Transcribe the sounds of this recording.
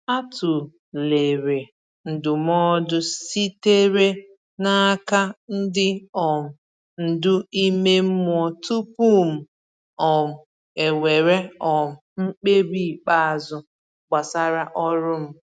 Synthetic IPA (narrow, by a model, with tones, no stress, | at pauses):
a˦tʊ˨ | le˨ɾe˨ | n̩˨dʊ˨m˦ɔ˦dʊ˦si˦te˦ɾe˦ | na˦ka˦n̩˦dɪ˦ɔ˨m̩˨ | n̩˨dʊ˦i˦me˦m̩˦m˦ɔ˦tu˦pu˦m̩˨ | ɔ˨m̩˨ | e˨we˨ɾe˦ɔ˨m̩˨ŋ͡m̩˦k͡pe˦ɾi˦˨k͡pa˦a˨zʊ˦ | ɡ͡ba˨sa˦ɾa˦ʔɔ˦ɾʊ˦m̩˦